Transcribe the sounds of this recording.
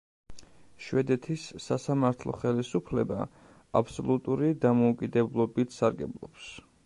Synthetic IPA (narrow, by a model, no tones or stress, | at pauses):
ʃwɛd̪ɛt̪ʰisːasamaɾt̪ʰlˠɔ̰χɛlisupʰlɛba̰ | apʰsɔlˠut̪ʼuɾid̪amɔukʼid̪ɛblˠɔbit̪ʰsaɾɡɛblˠɔ̰ps